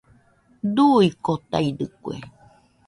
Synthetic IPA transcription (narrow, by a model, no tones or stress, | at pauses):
d̪uikot̪aidɨkuḛ